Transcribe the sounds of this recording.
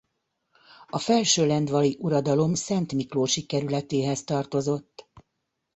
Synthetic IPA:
ɒfɛlʃøːlɛnd̪ʋɒliʔuɾɒd̪ɒlo̞msɛnt̪mikloːʃikɛɾylɛt̪eːɦɛst̪ɒrt̪o̞zo̞t̪ː

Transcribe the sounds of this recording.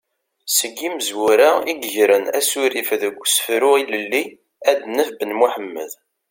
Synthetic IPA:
səɡːiməzwʊɾaiɡʝɾənæsuɾifðəɡʷːsə̥fɾʊiləlːi | æd̪nəfbənmuħəmːə̰ð

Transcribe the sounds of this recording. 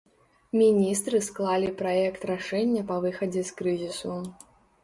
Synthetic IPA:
mʲinʲist̪ɾɨsklˠalʲipɾajɛkt̪raʂɛnʲːɐpɐvɨxɐd͡zʲɛskɾɨzʲisu

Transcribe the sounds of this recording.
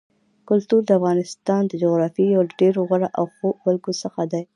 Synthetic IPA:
kʊlt̪uɾd̪əafɣɑnɪst̪ɑnd̪əd͡ʒoɣɾɑfijawɖeɾoɣaɽaʔawxowalɡosəxad̪aj

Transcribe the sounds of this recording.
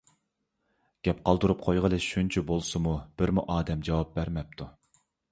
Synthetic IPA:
ɡ̥ʲɛp̚qʰɑlˠd̪uɾup̚qʰojʁəlˠɨʃunt͡ʃʰibolˠsɨmub̥ɪɾmuʔɑːd̪ɛmd͡ʒɑwɑp̚bæɾmɛp̚t̪ʰu

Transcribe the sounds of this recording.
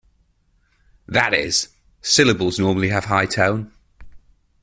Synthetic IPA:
ðətɪ̰z̥ | sɪləbəlˠznɔːməliəv̥ɦaɪtʰãʊ̃n

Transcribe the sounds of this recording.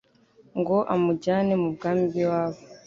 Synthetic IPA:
ŋɡo̞ʔamuɟaːnemubɡaːmbiwaːβo

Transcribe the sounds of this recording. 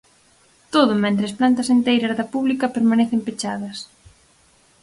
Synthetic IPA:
t̪oðʊmɛ̃nt̪ɾɪɐsplant̪ɐsent̪ejɾɐzðɐpuβlikɐpeɾmanɛθempet͡ʃaðɐs

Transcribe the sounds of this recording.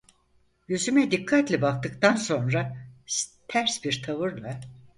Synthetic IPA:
jyzymɛd̪ikʰːat̪lʲɛbak̚t̪ɯkt̪ʰanso̞nɾa | t̪ʰæɾsbiɾt̪ʰavɯɾlˠa

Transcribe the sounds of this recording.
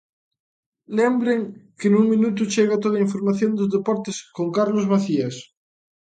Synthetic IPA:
lembɾeŋkenuŋmĩnut̪ut͡ʃeɣat̪oðaiɱfoɾmaθjond̪ozðepɔɾt̪eskoŋkaɾlozβaθias

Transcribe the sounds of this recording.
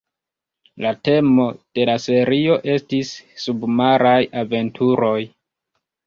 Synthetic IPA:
late̞mo̞d̥e̞lase̞ɾio̞ʔe̞stisːubmaɾajave̞ntʰuɾo̞j

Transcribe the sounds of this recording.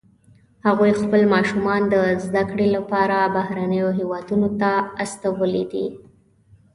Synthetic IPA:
haɣujxpəlmɑʃumɑnd̪əzd̪akɽelapɑɾabahɾanəjoɦewɑd̪unot̪aast̪awəlid̪ḭ

